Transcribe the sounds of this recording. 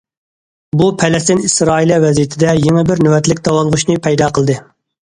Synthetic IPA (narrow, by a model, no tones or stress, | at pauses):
bupʰɛlɛst̪ɪnisɾɑːilˠɛvɛzijit̪ʰɪd̪ɛjeŋɪbɪɾnøwɛt̪lɪkʲd̪ɑwɑlˠʁʊʃnɨpʰɛjd̪ɑːqʰəlˠd̪ɨ